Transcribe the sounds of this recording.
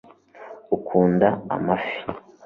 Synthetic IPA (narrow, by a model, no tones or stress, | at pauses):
ukʰuːndaa̰mafi̥